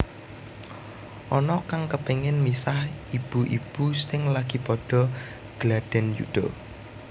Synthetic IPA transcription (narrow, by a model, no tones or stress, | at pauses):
ʔɔnɔkaŋkəpeŋɪnmisahib̥ṳʔḭb̥usɪŋlaɡ̥i̤pɔɖ̥ɔ̤ | ɡ̥lad̥ɛ̤njṵɖ̪̥ɔ